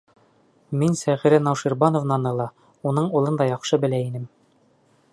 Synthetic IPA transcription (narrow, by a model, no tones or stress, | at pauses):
minsæʁiɾænɑwʃiɾbɑnovnɑnɤ̆lˠɑ | unɤɴulˠɤnd̪ɑjɑχʃɤbɘ̆læinɘm